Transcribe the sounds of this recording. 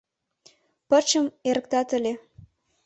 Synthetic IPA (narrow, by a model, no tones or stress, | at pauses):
pərt͡ɕəmeɾəkt̪ɑt̪ə̆lʲe